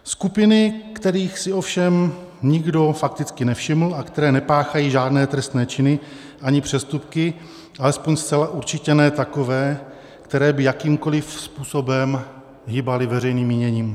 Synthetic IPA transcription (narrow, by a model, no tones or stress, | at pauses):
skupɪnɪkt̪ɛɾiːxsɪofʃɛm | ɲɪɡdo̞fak̚t̪ɪt͡skɪnɛfʃɪml̩akt̪ɛɾɛːnɛpaːxajiːʒaːdnɛːt̪ɾɛst̪nɛːt͡ʃɪnɪ | ʔaɲɪpr̝̥ɛst̪upkɪ | ʔalɛspo̞ɲst͡sɛlaʔuɾt͡ʃɪcɛnɛːt̪ako̞vɛː | kt̪ɛɾɛːbɪjakiːmko̞lɪfspuːso̞bɛm | ɦɪbalɪvɛrɛjniːmːɪɲɛɲiːm